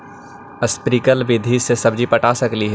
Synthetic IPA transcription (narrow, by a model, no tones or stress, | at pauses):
ɐspɾiːkəlʋɪd̪ʱisesɐbd͡ʒipɐʈaːsɐkliɦɛ